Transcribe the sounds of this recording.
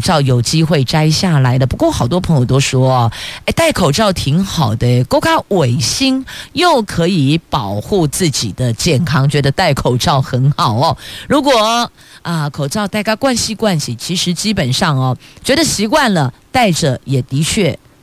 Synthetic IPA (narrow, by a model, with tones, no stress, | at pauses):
ʈ͡ʂɑ˥˩ʊjo˨˩ʊt͡ɕi˥xwe˥˩ɪʈ͡ʂa˥ɪɕja˥˩la˧˥ɪd̪ə˧pu˧˥kwɔ˥˩xɑ˨˩ʊt̪wɔ˥pʰə˧˥ŋjo˨˩ʊt̪o˥ʊʂwɔ˥ɐ˧e˥˧ɪt̪a˥˩ɪkʰo˨˩ʊʈ͡ʂɑ˥˩ʊt̪ʰi˧˥ŋxɑ˨˩ʊd̪ə˦ko˥ʊkʰa˥we˨˩ɪɕi˥ŋjo˥˩ʊkʰɤ˧˥i˨˩˦pɑ˨˩ʊxu˥˧t͡sɹ̩˥˩t͡ɕḭ˨˩d̪ə˦t͡ɕjɛ˥˩nkʰɑ˥ŋt͡ɕɥɛ˧˥d̪ə˧t̪a˥˩ɪkʰo˨˩ʊʈ͡ʂɑ˥˩ʊxə˧˥nxɑ˨˩ʊɔ˦ɻu˧˥kwɔ˨˩ | ə˧kʰo˨˩ʊʈ͡ʂɑ˥˧ʊt̪a˥˩ɪka˥kwa˥˧nɕi˧kwa˥˧nɕi˨˩t͡ɕʰi˧˥ʂɻ̩˧˥t͡ɕi˥pə˨˩nʂɑ˥˩ŋɐ˨˩t͡ɕɥɛ˧˥d̪ə˨ɕi˧˥kwa˥˩nlə˩t̪a˥˩ɪʈ͡ʂɤ˨˩jɛ˨˩t̪i˧˥t͡ɕʰɥɛ˥˩